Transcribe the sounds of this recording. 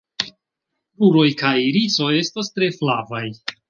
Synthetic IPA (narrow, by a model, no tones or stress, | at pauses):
ɾuɾo̞jkajɾit͡so̞je̞stastɾe̞flavaj